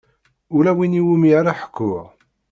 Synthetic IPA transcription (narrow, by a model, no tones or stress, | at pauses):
ʊlæwiniwumiaɾaħə̥kːʊʁ